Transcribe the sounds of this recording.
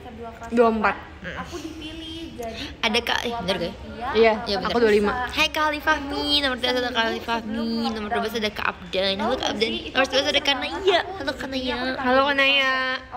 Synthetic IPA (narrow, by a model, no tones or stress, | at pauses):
duaəmpat̪̚ | m̩ | adaka̰ʔɛhbənərɡaj | ijajabənak̪kudualimahajkalifaminamart̪ubas̬adakalifahminamart̪uabas̬adaka̰ʔa̰p̚danalukaa̰p̚dannamart̪ubias̬adakanaijakalokənajahalokənaja